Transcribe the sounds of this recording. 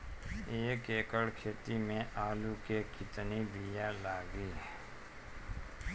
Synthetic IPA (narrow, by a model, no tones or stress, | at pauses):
eːkeːkəɽkʰeːt̪imẽʔaːlukekɪt̪nib̪ijalaːɡiː